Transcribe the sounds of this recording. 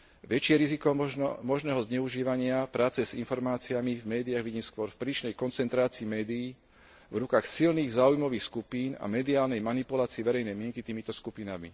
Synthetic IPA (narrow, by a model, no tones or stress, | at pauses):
ʋɛt͡ʃɪɛɾizikɔmɔʒnɛːɦɔzɲɛuʒiːʋaɲɪapɾaːt͡sɛzinfɔɾmaːt͡siamivmɛːd̪iaɣʋiɟiːmskʊɔɾfpɾiːʃnɛjkɔnt͡sɛnt̪ɾaːt͡siːmɛːd̪iiː | vɾukaxsilniːɣzaːujmɔʋiːxskupiːna̰mɛd̪iaːlnɛjmanipulaːt͡siɛʋɛɾɛjnɛjmɪɛŋkit̪iːmit̪ɔskupinamḭ